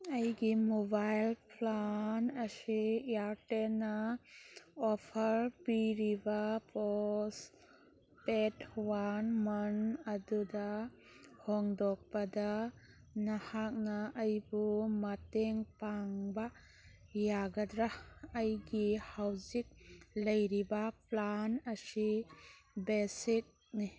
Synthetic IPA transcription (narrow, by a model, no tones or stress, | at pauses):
ɐjɡimobajlpʰlanɐsiaɾtenɐ | ɔpʰɐɾpiɾibɐpɔs | petwanmɐnɐdudɐ | hɔŋdɔk̚pɐda | nahak̚nɐːjbumɐteŋpaŋba | jaɡadɾaɐjɡihawzik̚lɐjɾibaplanɐsi | besit̚ | ni